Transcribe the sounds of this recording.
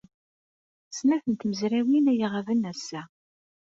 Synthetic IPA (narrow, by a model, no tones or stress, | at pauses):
snæθənt̪məzɾæwinæjiʁævənæsːæ